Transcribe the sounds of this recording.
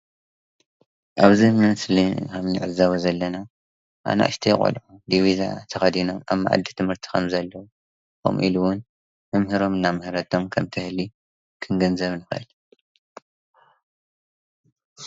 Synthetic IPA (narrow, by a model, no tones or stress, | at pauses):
ʔaβzɨmɨnslikʰɐmniʕɨzaβozɐlːɐna | ʔa̰na̰ʔɨ̰ʃt̪ʰijkʼo̰lʕud̪iβiza̰t̪ʰɐxɐd̪ino̞ma̰βmːa̰ʕa̰d̪ːit̪ʰɨmhɨɾt̪ʰi̥kʰɐmzɐlːɐwu | xo̰mʔiluwʊn | mɨmhɨɾo̞mɨnːamɨhɾɐt̪ʰo̞mkʰɐmt̪ʰɨhli | kʰɨnɡɐnzɐβnɨxɨ̰ʔɨ̰lu